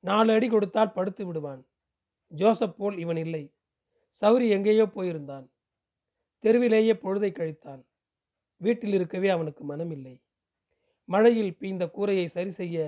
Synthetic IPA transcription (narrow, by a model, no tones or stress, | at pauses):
naːlɐɽikɔɽɯt̪ːaːlpɐɽɯt̪ːɯʋɪɽɯʋaːn | d͡ʒoːsɛpːoːlɪʋɐnɪlːɐɪ | sɐʋɾiɛŋɡeːjoːpoːjɪɾɯnd̪aːn | t̪ɛɾɯʋɪleːjeːpɔɻɯðɐɪkːɐɻɪt̪ːaːn | ʋiːʈːɪlɪɾɯkːɐʋeːɐʋɐnɯkːɯmɐnɐmɪlːɐɪ | mɐɻɐjɪlpiːnd̪ɐkuːɾɐjɐɪsɐɾisɛjːɐ